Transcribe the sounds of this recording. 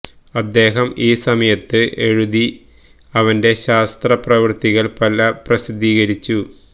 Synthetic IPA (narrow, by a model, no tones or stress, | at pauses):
ɐd̪ːe̞ːɦɐmiːsɐmɐjɐt̪ːɨʔe̞ɻuði | ɐʋɐnde̞ɕaːst̪rɐprɐʋɨrt̪iɣɐlpɐlɐprɐsid̪iːɣɐɾit͡ɕːu